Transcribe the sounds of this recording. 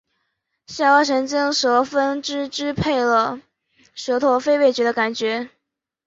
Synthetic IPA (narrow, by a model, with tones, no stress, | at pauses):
ɕja˥˩wa˥˩ʂə˧˥nt͡ɕi˥ŋʂɤ˧˥fə˥nʈ͡ʂɻ̩˥ʈ͡ʂɻ̩˥pʰe˥˩ɪlə˩ | ʂɤ˧˥t̪ʰo˥˩ʊfe˥˧ɪpe˥˩ɪt͡ɕɥɛ˧˥d̪ə˧ka˨˩nt͡ɕɥɛ˧˥